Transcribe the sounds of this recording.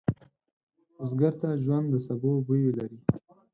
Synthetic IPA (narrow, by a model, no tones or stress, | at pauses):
ʊzɡaɾt̪aʒwand̪d̪əsabobujelaɾi